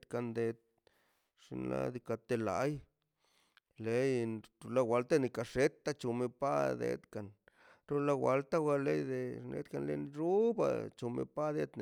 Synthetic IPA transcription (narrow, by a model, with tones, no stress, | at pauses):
ka˧nd̪e˧t̪̚ | ʂḭ˧nla̰˦d̪i˧ka˧t̪e˧la̰˨˧j | le˧jɾu˧la˧wa˧lt̪a˦ni˧ka˧ʂe˦t̪ːa˦t͡ʃu˧me˧pa˦d̪ḛ˧t̪ka˨n | ɾu˦la˧wa˧lt̪a˦wa˧le˧jd̪e˧nʔḛ˧t̪ka˧nle˧nɾu˦ba̰˧t͡ʃo˧mḛ˧pa˦d̪e˧d̪ne˨